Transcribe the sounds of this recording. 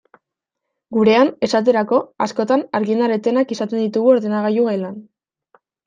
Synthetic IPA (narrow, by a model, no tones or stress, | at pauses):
ɡuɾe̞ane̞sat̪̬e̞ɾako̞asko̞t̪anaɾɣind̪aɾet̪e̞nakisat̪e̞nd̪it̪uɣuo̞ɾðe̞naɣajuɣaelan